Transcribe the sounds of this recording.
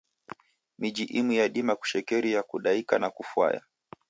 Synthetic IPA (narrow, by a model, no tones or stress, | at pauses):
mid͡ʒiʔimwijaɗimaku̥ʃɛkɛɾijakuɗaikanakufwa̰ja̰